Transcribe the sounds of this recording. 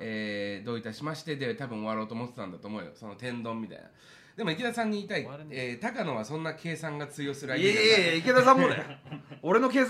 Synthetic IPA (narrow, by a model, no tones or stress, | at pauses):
eːd̪o̞ːit̪aɕimaɕi̥t̪e̞d̪e̞t̪abɯ̟̃ɰ̃o̞βaɾo̞ːt̪o̞ːmo̞t̪e̥t̪ã̰nat̪o̞ːmo̞ːjo̰so̞no̞t̪ẽ̞nd̪õ̞mːʲit̪a̰ḭna̰ | d̪̥e̞moikʲid̪asãɲ̟ːiːt̪aiet̪akano̞βasõ̞nːakʰe̞ːsãŋɡat͡sɨjo̞sɨɾɯaieiked̪asãmoeo̞ɾe̞no̞keːs